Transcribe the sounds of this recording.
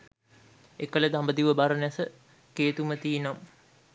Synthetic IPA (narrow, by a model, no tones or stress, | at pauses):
ekələd̪ambəd̪iʋəbaɾənasə | keːt̪umət̪iːnam